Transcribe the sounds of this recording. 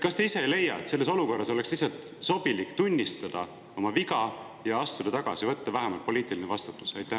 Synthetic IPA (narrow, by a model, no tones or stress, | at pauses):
kɑst̪e̞ise̞ejle̞jːɑ̰et̪selːe̞so̞luko̞rːɑso̞le̞kslihsɑlt̪so̞bilikːt̪unʲːist̪ɑd̪̥ɑ | o̞mɑviɡɑ | jɑɑst̪ud̪̥ɑt̪ɑɡ̥ɑsivɤt̪ːɑvæɦemɑlt̪po̞liːt̪ˑilinevɑst̪ut̪ːˑu̥sɑjt̪ːˑæ